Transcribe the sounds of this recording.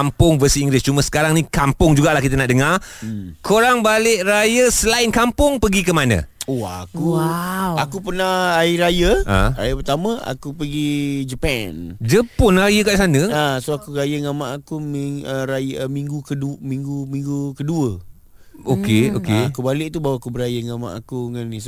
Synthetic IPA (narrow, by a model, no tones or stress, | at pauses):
kampʊŋvəsiiŋɡlɪst͡ʃuməsə̥kaɾaŋnĩkampʊŋd͡ʒuɡaʔlahkit̪ənaʔdəŋa | kʰoɾaŋbalɪʔɾajəsəlaɪnkampʊŋpəɡikəmanə̰̃oakuawakupənaaiɾajəə̰ɾajəpərt̪amə̃a̰kupəɡid͡ʒəpɛnd͡ʒəpʊnrajəkaʔsanəasoakuɾajəŋamaʔakumiəɾajmiŋɡukədumiŋɡumĩŋɡukəduə | okeokeakubalɪʔt̪ubawaakubəɾajəŋama̰ʔakuŋanis